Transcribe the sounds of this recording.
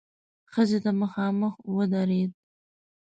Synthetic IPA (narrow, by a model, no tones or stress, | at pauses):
xəzed̪əmaxɑːməxwəd̪aɾed̪̚